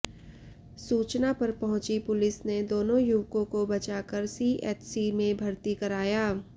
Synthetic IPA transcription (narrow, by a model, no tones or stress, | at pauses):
suːt͡ʃnapɐɾpɐɦʊ̃t͡ʃipʊlɪsned̪oːnõjʊʋkõkobɐt͡ʃaːkəɾsiːʔɛːʈsimẽbʱɐɾt̪ikɐɾaːjaː